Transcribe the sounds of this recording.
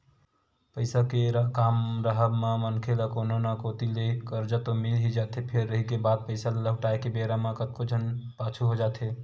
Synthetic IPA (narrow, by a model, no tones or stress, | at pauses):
pəɪsakeɾkaːmɾəɦəbmamənkʰelakononakot̪ilekəɾd͡ʒət̪omilɦid͡ʒaːt̪epʰeɾːəɦikebad̪̚pəɪsaləɦʈaekebeɾamãkət̪̚kod͡ʒʱənpaːt͡ʃʰuɦod͡ʒaːt̪ʰe